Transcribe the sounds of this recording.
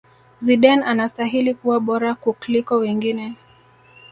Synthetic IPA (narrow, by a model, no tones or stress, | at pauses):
ziɗɛnanastaɦilikuwaɓɔɾakuklikɔwɛŋɡinɛ